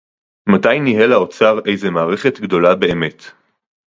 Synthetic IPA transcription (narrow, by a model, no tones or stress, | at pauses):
matajniɦelao̞t͡saʁe̞jzemaːʁeχe̞tɡdo̞labeːme̞t